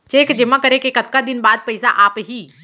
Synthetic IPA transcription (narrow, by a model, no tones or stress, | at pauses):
t͡ʃeːkd͡ʒɪmãkɐɾẽkekɐt̪kad̪ɪnbaːd̪̚pɛɪsaʔaːpɦiː